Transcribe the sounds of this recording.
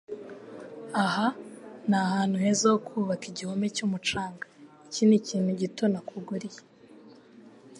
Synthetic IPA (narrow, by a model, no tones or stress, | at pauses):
ahanahaːn̥huhe̞zokʰuːβakiɟihomecumut͡ʃaːŋɡa | ciniciːnhuɟito̞nakʰuɡuɾije